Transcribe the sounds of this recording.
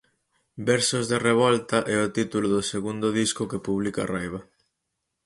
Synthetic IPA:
bɛɾsozðereβɔlt̪ɐʔɛʊt̪it̪ulʊðʊseɣund̪ʊðiskʊkepuβlika̰rajβ̞ɐ

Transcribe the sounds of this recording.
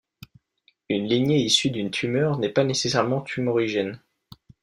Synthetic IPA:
ynliɲjeisyd̪ynt̪ʰymœʁnɛpanesesɛʁmɑ̃t̪ʰymɔʁiʒɛn

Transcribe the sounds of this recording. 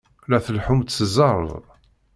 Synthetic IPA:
læθəlħumt̪səzɑɾ̰ˤð

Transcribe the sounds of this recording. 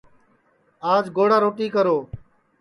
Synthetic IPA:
aːd͡ʒɡoːɽaːɾoːʈiːkəɾoː

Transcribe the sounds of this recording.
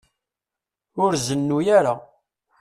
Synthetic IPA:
ʊɾzənːujaɾa

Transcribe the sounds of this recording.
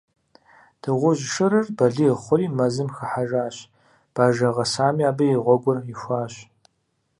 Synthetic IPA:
d̥ɨʁʷʊʑʂɨɾɨrbɐɮiχʷʊɾiːmɐzɨmxɐħaʒaːɕ | b̥aːʒɐʁɐsaːmiaːbɐjɪʁʷɔɡʷʊrɪxʷaːɕ

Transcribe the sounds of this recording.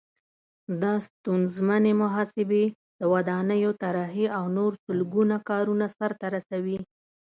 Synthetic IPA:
d̪ɑst̪unzmanemʊɦɑsɪbe | d̪̥əwad̪ɑnəjot̪aɾɑɦiawnoɾsʊlɡunakɑɾunasaɾt̪aɾasawi

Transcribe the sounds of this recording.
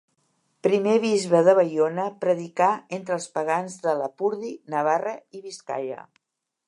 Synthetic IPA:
pɾimeβ̞izβəðəβəjonəpɾəðikaent̪ɾəlˠspəɣ̞anzðələpuɾðinəβ̞arəiβiska̰ʎə̰

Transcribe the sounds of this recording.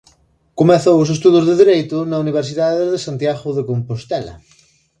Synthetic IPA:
komeθowʊs̬est̪uðozðeðiɾejt̪ʊnauniβ̞eɾsiðaðeðesant̪jaɣʊðekompost̪ɛlɐ̰

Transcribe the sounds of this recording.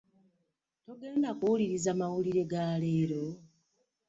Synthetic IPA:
to̞ɡe̞ːndakuwuliɾizamawuliɾe̞ɡaːle̞ːɾo̞

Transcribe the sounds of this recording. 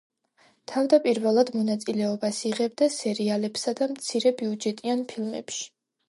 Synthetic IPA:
t̪ʰavd̪apʼiɾvɛlˠad̪mɔnat̪sʼilɛɔbasiʁɛb̚d̪asɛɾialɛpsad̪amt̪sʰiɾɛbiud͡ʒɛt̪ʼianpʰilˠmɛ̰pʃi̥

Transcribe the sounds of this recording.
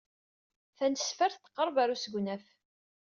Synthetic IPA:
θænsfəɾθt̪ːə̥qːəɾˤvæɾusəɡʷnæf

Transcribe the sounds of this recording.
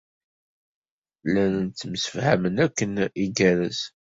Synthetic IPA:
lænənt͡s̪ːəmsə̥fhæmənækːəniɡæɾəs

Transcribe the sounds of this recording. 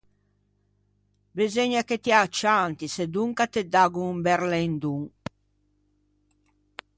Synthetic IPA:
bezeɲaket̪iat͡ʃːant̪ised̪uŋkat̪ed̪aɡumbɛɾlend̪uŋ

